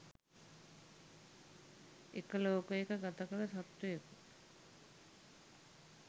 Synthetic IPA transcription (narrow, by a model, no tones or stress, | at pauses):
ekəloːkəjekəɡat̪əkələsat̪ːujeku